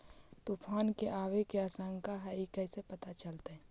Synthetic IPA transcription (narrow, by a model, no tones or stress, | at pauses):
t̪upʰaːnkeʔaːʋekeasə̃ŋɡkaɦɛikəɪsepɐt̪at͡ʃəlt̪eɦɛ̃